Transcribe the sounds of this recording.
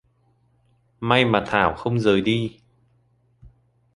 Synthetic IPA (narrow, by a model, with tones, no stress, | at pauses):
ma˧jmaː˨˩t̪ʰaː˧˩wxə˧wŋ͡mzəː˨˩jɗi˧